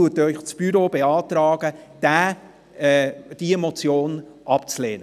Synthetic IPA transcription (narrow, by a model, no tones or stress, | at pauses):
uətœʏχt͡sb̥yɾobeɑːt̪ɾɑːɡ̥əd̥æː | ɛd̥iemot͡sjoːnʔɑpt͡sleːnə